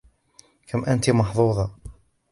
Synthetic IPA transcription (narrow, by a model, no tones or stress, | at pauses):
kamʔant̪imɑħðˤuːðˤɑ